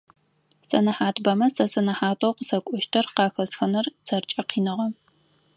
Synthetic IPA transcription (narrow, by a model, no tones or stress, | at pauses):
sɐnɐħaːtʰbɐmɐsɐsɐnɐħaːtʰʼowqəsɐkʷʼʊʃtʰɐrqɑːxɐsxɐnɐrt͡sʰɐrt͡ʃʼɐqiːnɨʁɐ